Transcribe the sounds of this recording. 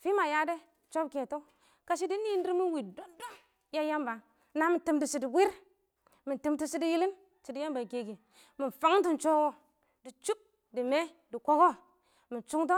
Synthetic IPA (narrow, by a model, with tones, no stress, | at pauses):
fi˦ma˨ja˦de˦ | t͡ʃo˦bke˨to˦ | ka˨ʃ̬i˦di˦ni˦ndi˦ɾmi˦nwi˨do˦ndo˦ | ja˦ja˦mba˨ | na˨mi˨nti˨mti˨si˨di˨wi˦ɾ | mi˨nti˨mti˦si˦di˦ji˦li˦n | si˨di˦ja˦mba˨ke˨ɡi˨ | mi˨n˨fa˦ŋ˦nti˦˨nt͡ʃo˦wo˦ | di˨t͡ʃu˦b̚ | di˨me˦ | di˨ko˦ko˦ | mi˨nt͡ʃu˦ŋt̬o˦